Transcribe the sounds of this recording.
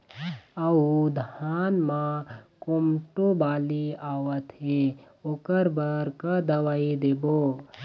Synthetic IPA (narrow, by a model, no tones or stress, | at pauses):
əud̪ʱaːnmãkomʈobaːliaːwət̪ɦe | okəɾbɐɾkad̪ɐʋaːid̪eːbo